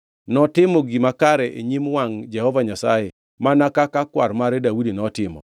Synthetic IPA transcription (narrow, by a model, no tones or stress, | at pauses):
nɔtɪmɔɡimakaɾɛʔeɲimwaŋd͡ʒɛhɔvaɲasa̰jɛ | manakakakwaɾmaɾɛdawudinɔtɪmɔ̰